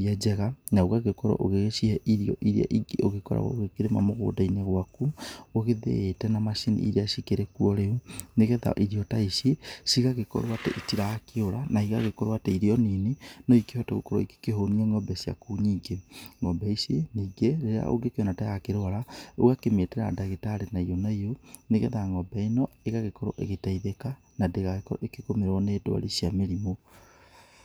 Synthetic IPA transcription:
iad͡ʒɛɣanaoɣaɣekɔɾɔ̰ʔoɣeɣeʃihɛʔiɾiɔʔiɾea̰ʔioɣekɔɾa̰ɣɔ̰ɣekeɾema̰moɣo̰ːdaineɣwakuoɣeðḛetɛnamaʃinḭḭɾeaʃikeɾɛkuɔɾeuneɣɛða̰ʔiɾiɔtaisesiɣaɣekɔ̰ɾwatɛ̰ʔitiɾakeoɾanaiɣa̰ɣekɔɾwatɛiɾeɔninenɔikehɔtɛɣokoɾo̰ike̥keɦoniɛŋɔbɛsia̰kuɲiːɡeŋɔbɛiseniːɡeɾeɾea̰ʔo̰ɡekeonatajakeɾoaɾaoɣakemeteɾa̰daɣetaɾenaionaijoneɣɛðaŋɔbɛinɔeɣaɣekɔɾo̰ʔḛɣetaiðeka | nadeɣaɣekɔɾo̰ʔekekomeɾwɔneːdwa̰ɾisiameɾimo

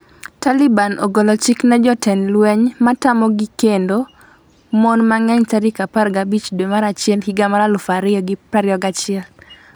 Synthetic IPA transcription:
talɪbanʔo̰ɡɔlɔt͡ʃiknad͡ʒɔtɛnlwɛɲmatamɔɡikendo | mɔnmaŋɛɲtaɾikaparɡabit͡ʃdwemaɾat͡ʃɪɛlhiɡamaɾalʊfaɾɪɔɡɪpɾaɾɪɔɡat͡ʃɪɛl

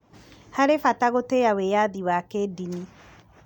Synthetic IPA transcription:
haɾefataɣotejawejaðiwakedini

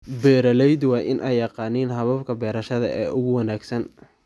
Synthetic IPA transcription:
bɛːɾɐlɛjd̪wɑːʔɪnʔɛjːɑqɑːniːnɦɐβɐbkʰɐbɛːɾɐʃɐðɐ̰ʔɛːʔʊɣʊwɑnaːɡsɐn

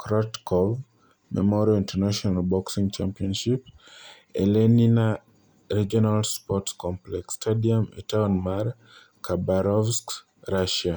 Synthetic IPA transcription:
kʰɾɔtkʰɔv | mɛ̰mɔɾiɔĩntɛnaʃɔnalbɔksĩŋt͡ʃampiɔ̃nʃip | ɛ̰lɛnina | ɾid͡ʒɔnalspɔtskɔ̃mplɛkstʰadiamɛ̰taɔnmaɾ | kʰabaɾɔvsk | ɾaʃa

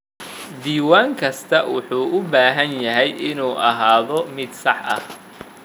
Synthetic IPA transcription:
d̪iːwaːŋkʰɐst̪ʰɐwʊħuːʔʊbaːɦɐnjɐɦɛjɪnuːʔɐɦaːðɔmɪd̪sɑħʔɐ̰h

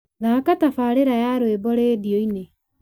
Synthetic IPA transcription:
ɣakatafaːɾeɾajaɾowebɔɾeːdioine

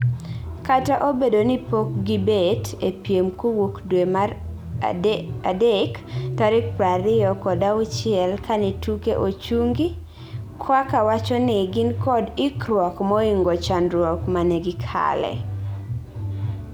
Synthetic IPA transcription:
kataʔobedonipok̚ɡibetepjemkowokdwemar | adektaɾɪk̚pɾaɾɪjɔkɔdaʊt͡ʃɪɛlkanɛtukeʔot͡ʃuŋɡi | kʰwakawat͡ʃɔnɪɡɪnkɔdɪkɾwɔkmɔiŋɡɔt͡ʃanɾwɔkmanɛɡɪkʰa̰lɛ̰

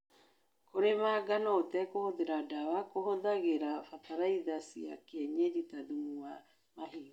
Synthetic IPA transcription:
koɾemaːɡanɔotɛkohoðeɾadawakohoðaɣeɾafataɾaiðasiakɛɲɛɾitaðumua | maɦiː

